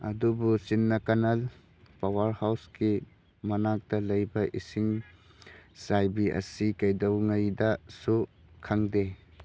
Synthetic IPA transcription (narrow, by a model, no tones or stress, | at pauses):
ɐ̰dubusinːɐkanal | pawɐɾhawski | mɐnak̚d̥ɐlɐjbɐʔisiŋ | sajbiʔɐ̰sikɐjdɐwŋajdɐsukʰaŋde